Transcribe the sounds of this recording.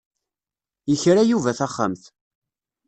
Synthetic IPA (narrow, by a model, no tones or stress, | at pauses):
jəçɾajuvæθæχːa̰mθ